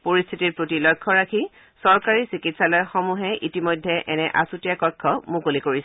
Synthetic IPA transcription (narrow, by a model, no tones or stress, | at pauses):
poɹist̪ʰitiɹpɹotilɔjkʰːɔɹakʰi | sɔɹkaɹisikitsalɔjxɔmuɦɛʔitimɔjdʱːɛʔɛnɛʔa̰sutijakɔkʰːɔmukolikoɹisɛ